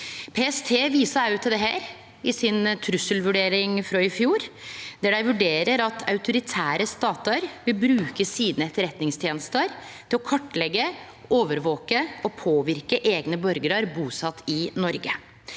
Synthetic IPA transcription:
pʰeɛst̪ʰeːʋiːsɑɑʉt̪ʰd̪ɛɦæ̰ːɾ | ɪsɪnt̪ʰɾʉsəlʋʉɖeːɾɪŋfɾɔɪfjuːɾd̪æɖæɪʋʉɖeːɾəɾɑt̪ʰɑ̰ʉt̪ʊɾɪt̪ʰæːɾəst̪ɑːt̪əɾʋɪlbɾʉːkəsiːd̪n̩ɛt̪ːəɾɛt̪nɪŋst̪ʰjeːnəst̪əɾ | t̪ʰɪlɔkʰɔʈːlɛɡːə | oːʋəɾʋoːkəɔpʰoːʋɪɾkəʔeːɡnəbœɾɡəɾəɾbuːsɑt̪ʰːɪnɔɾɡə

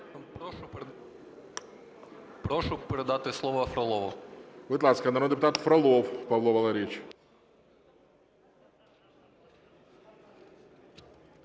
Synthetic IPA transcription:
pɾoʂʊpʲɪɾʲɪd̪at̪ɨslˠovəfɾɐlˠovʊ̰vɨt̪ˠat̪skəɐnɐɾond̪ʲɪpʊt̪at̪fɾɐlˠofpɐvlˠovɐlˠaɾʲet͡ɕ

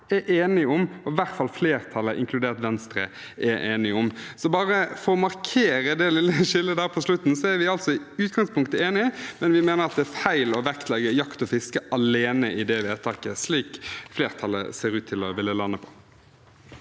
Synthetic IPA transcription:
ɛʔeːnɪʊmɔʋæʁt̪fɑlfleːɾt̪ʰɑlːəʔɪ̰ŋkʰlʉd̪eːʁt̪ʋɛnst̪ɾə̰ | ʔɛʔeːnɪʊmsɔbɑːɾəfɔɔmɑɾkʰeːɾəd̪ɛlɪlːəʃɪlːəd̪æːɾpʰɔslʉt̪n̩sɔæɾʋɪɑlt̪sɔɪʉːt̪ɡɑŋspʊŋkt̪əeːnɪəmɛnʋɪmeːnəɾɑt̪̚d̪ɛæːfæɪlɔʋɛkt̪ʰlɛɡəjɑkt̪ɔfɪskəʔɑleːnəʔɪd̪ɛʋɪæt̪ʰɑːkəsliːkfleːɾt̪ʰɑlːə̰seːɾʉːt̪ʰːɪlɔʋɪlːəlɑnːəpʰɔ̥

